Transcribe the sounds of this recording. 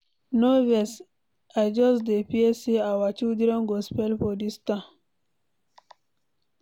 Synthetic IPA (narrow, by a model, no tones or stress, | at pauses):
noves | ad͡ʒɔsd̪epieseawat͡ʃiwd̪iɾɔŋɡospelpodist̪a